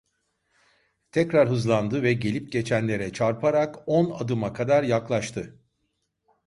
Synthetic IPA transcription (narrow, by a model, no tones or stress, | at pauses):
t̪ʰɛcɾaɾɦɯzlˠand̪ɯvɛɟe̞lʲip̚ɟet͡ʃʰænlʲe̞ɾɛt͡ʃʰaɾpʰaɾakona̰d̪ɯmakʰad̪aɾjaklˠaʃt̪ʰɯ